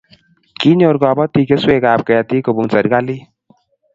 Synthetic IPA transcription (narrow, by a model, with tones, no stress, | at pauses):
ki˦ɲo˨ɾkɔ˨bɔ˦t̪i˨ke˦swe˨kaː˨p̚kɛ˨a˨ti˦ko˨bu˨ŋsa˨ɾka˦li˦